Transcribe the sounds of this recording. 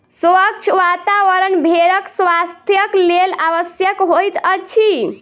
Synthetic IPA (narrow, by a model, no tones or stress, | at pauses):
sək̚t͡ʃʰʋat̪aʋəɾənbʱeɾəksʋast̪ʰjəklelaʋəsjəkɦojt̪ət͡ʃʰi